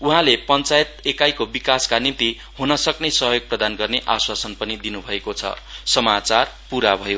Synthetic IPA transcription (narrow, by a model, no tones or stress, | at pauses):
uɦãlepʌnt͡sajet̪̚ekajkobikaskanint̪i | hunʌsʌknʌsʌɦjoɡ̚prʌd̪anɡʌrneʔaswasʌnpʌnid̪inubʱʌekot͡sʰʌ̰sʌmat͡sarpuɾabʱʌjo